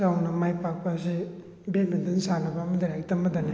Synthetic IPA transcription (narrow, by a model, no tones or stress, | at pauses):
awnɐmajpak̚pasi | bemid̪insanabamɐdaɾaktamad̪ani